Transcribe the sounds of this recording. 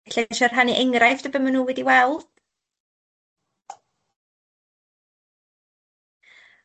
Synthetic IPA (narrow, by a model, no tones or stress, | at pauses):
ɬɛʃɔr̥ɦaniʔeŋrajfd̥əbəmanuːwɛdiwɛlˠd̥